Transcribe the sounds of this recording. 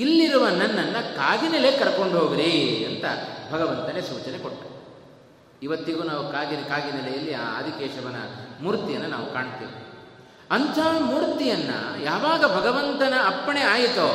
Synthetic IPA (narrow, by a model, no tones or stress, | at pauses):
ilːiɾuʋɐnɐnːɐnːɐkaːɡinelekɐɾɐkoɳɖɦoːɡiɾiɐnt̪ɐ̰bʱɐɡɐʋɐnt̪ɐnesuːt͡ʃɐnekoʈːɐ | iʋɐt̪ːiɡuːnaːʋukaːɡinkaːɡinɛlɛjɐlːia̰ːɐ̰d̪ʱikɛːʂɐʋɐnːɐ̰muːɾt̪ijɐnːɐna̰ːʋukaːɳt̪ḭːʋi | ɐnt̪ʰaːmuːɾt̪ijɐnːɐ̰jaːʋaːɡɐbʱɐɡɐʋɐnt̪ɐnɐːpːɐɳeaːjit̪o